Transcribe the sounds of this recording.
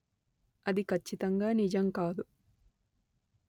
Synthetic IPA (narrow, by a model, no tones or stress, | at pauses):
ɐd̪ikʰɐt͡ʃːit̪ɐŋɡaːnid͡ʒɐmkaːd̪u